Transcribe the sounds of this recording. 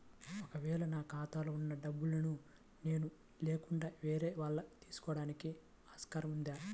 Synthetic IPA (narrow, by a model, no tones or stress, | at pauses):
ɔkɐʋɛːɭɐnaːkaːt̪aːlounːɐɖɐbːulɐnu | ne̞ːnu | leːkuɳɖaːʋeːɾeːʋaːɭːɐt̪iːsu̥kɔːɽaːniki | aːskaɾɐmund̪aː